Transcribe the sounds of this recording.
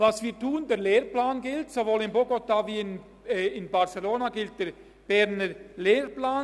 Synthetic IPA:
vɑsviːtuːəndeːleːɾplaːnɡɪltsovoːlɪnboɡotaviːɪnː | ɪnbaʁseloːnaɡɪlt̚d̥eːɾ | b̥ɛɾnəleːɾplaːn

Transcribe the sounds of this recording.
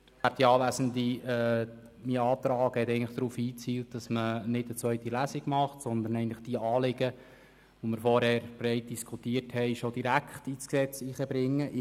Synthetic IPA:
æt̚diɑːʋæzəndiɛːmiɑːt̪ɾɑːɡ̥hɛt̪ɛɪɡnləχd̥̪ɾuːfiːt͡siːlt̚d̥ɑsmənɪdət͡sʋœʏt̪ilæsiɡmɑχtsɔnd̪ənɛɪəntləχd̥iəɑːlɪɡ̥ə | ʋomɪɾfɔɾhɛːɾbrɛɪt̚d̥iskʰut̪iːərthɛɪʃod̥̪iɾækʰχt̪iːt͡sksɛt͡siːχəbɾɪŋːəʔ

